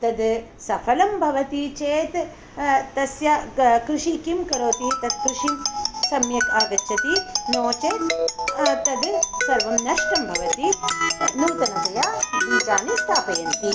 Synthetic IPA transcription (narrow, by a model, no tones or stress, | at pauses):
t̪ɐd̪ | sɐfʰɐlɐmbʱɐʋɐt̪it͡ʃeːt̪ | t̪ɐsjɐkɾɪʂikimkɐɾoːt̪it̪ɐd̪̚kɾɪʂisɐmjɐkaːɡɐtːʃʰɐt̪inoːt͡ʃe | t̪ɐd̪sɐɾʋɐmnɐʂʈɐmbʱɐʋɐt̪inuːt̪ɐnt̪ɐjaːiːd̪aːnist̪ʰaːpɐjɐnt̪i